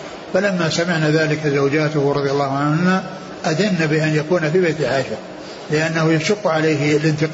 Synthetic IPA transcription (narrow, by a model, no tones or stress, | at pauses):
falamːasamɪʕnaðaːlɪkazawd͡ʒaːt̪ʊhɾˤɑðˤjalːɑːhʊʕanhʊma | ʔaðɪnːabɪʔanjakuːnafibejt̪ɪlħaːʃa | lɪʔanːahʊjaʃʊqːʕalajɦɪlɪnt̪ɪq